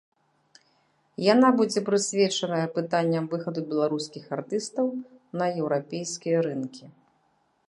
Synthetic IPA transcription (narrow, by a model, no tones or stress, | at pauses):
janabud͡zʲɛpɾɨsʲvʲɛt͡ʂɐnɐjɐpɨt̪anʲːɐmvɨxɐd̪ubʲɛlˠaɾuskʲixart̪ɨst̪ɐwnɐjɛwɾapʲejskʲijɐɾɨnkʲi